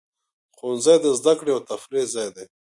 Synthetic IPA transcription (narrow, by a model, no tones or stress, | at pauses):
xonzajd̪əzd̪akɽeawt̪afɾezajd̪e